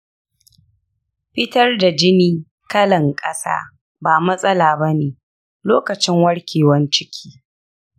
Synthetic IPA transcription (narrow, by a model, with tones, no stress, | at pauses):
ɸɪ˦tɐ˦rda˨d͡ʒɪ˦niː˦ | kɐ˦lɐ˨ŋkʼɐ˦sa̰ː˦ | baː˨mɐ˦sʼɐ˦laː˨bɐ˦neː˨ | loː˦kɐ˨t͡ʃɪ˦ŋwɐ˦ɽkʲʰeː˨wɐ˦nt͡ʃɪ˦kʲʰiː˦